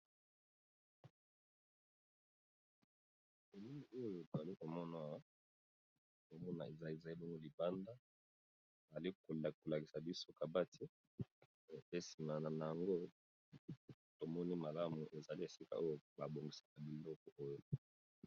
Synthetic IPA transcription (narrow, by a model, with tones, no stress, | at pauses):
e˨li˦mi˨o˦jo˦jo˨to˨za˨li˦ko˨mɔ˦na˨wa˦ | o˨mɔ˦na̰˨e˨za˨e˨za˨li˦bɔ˦ŋɡo˦li˨ba˦nda˦ | bza˨li˦ko˨lko˨la˨ki˨sa˨bi˦so˦ka˨ba˦tʰi˦˨ | pe˦si˨ma˨na˨na˨ja˨ŋɡo˦ | to˨mɔ˦ni˦ma˨la˦mu˨ʔe˨za˨li˦e˨si˦ka̰˨o˦jo˦ba˨bo˨ŋɡi˨sḁ˨ka˨bi˨lɔ˦kɔ˨ʔo˦jo˨